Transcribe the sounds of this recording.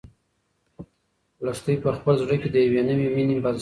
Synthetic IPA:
last̪əjpəxpəlzɽəked̪əjawenəwiminembal

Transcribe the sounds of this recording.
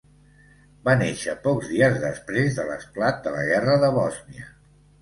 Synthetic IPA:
baneʃəpɔkzðiəzðəspɾezðələ̰splat̪̚d̪ələɣɛrəðəβɔzniə

